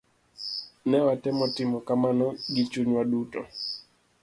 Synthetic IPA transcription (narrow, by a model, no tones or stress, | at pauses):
nɛwatɛmɔtɪmɔkamanɔɡɪt͡ʃuɲwaɗutɔ